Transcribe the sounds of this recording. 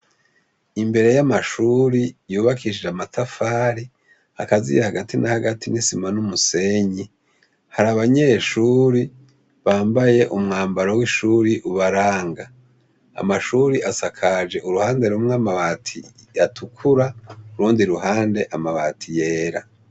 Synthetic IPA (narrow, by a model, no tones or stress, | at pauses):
imbe̞ɾe̞jamaʃuɾijuːβakʰiʃd͡ʒeamatʰafaːɾi | akazḭjehaɡatʰinahaɡatʰinisimanumuse̞ɲi | haɾaβaɲe̞ːʃuːɾi | βaːmbaje̞ʔumŋaːmbaɾowiʃuɾiʔuβaɾaːŋɡa̰ː | maʃuːɾiʔasakʰad͡ʒe̞ʔuɾuhaːnde̞ɾumŋamaβatʰḭ | jatʰukʰuɾauɾuːndiɾuɦaːnde̞ʔamaβatʰije̞ːɾa̰